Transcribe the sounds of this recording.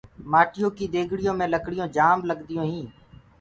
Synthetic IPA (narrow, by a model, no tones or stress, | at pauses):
maːʈɪjõːkiːd̪eːɡʱɽɪjõːmẽːləkɽɪjõːd͡ʒaːmləɠd̪ɪjõːɦĩː